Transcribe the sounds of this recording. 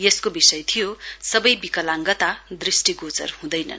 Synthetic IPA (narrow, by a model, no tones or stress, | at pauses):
jeskobisʌjt̪ʰijosʌbʌjbikʌlaŋɡʌt̪ad̪risʈiɡot͡sʌ̰rhũd̪ʌjnʌ̰n